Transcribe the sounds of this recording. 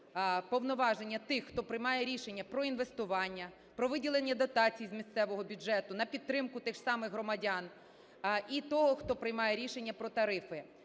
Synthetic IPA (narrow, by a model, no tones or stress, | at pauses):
pɔʋnɔʋɑʒenʲːɐt̪ɪxːt̪ɔpɾɪjmɑjɛɾʲiʃenʲːɐpɾɔinʋest̪ʊʋɑnʲːɐ | pɾɔʋɪdʲilˠenʲːɐd̪ɔt̪ɑt͡sʲijzmʲist̪sɛʋɔɦɔbʲʊd͡ʒɛt̪ʊnɐpʲid̪t̪ːɾɪmkʊt̪ɪʒ̥sɑmɪɣɦɾɔmɐdʲɑn | it̪ɔɦɔxt̪ɔpɾɪjmɑjɛɾʲiʃe̞nʲːɐpɾɔt̪ɐɾɪfɪ